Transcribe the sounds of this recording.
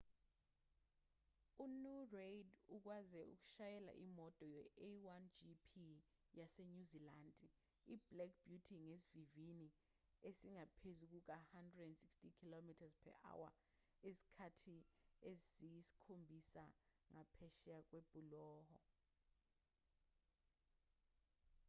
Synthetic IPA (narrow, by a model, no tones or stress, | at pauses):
unureduk̬wazɛṵk̬u̥ʃajɛla̰ʔimɔtʼɔjɛewand͡ʒipʰi | jaseɲuziland | iblɛk̚b̥jutʰiŋes̬ivivini | esiŋapʰezuk̬uk̬ahandʱrɛdɛndsikstikʰilomitʰazpʰɛ̰ʔa̰wa̰ | esi̥kʰatʰiezzijisi̥kʰombʱisaŋapʰɛʃiak̬web̥ʱʼulɔːhɔ̰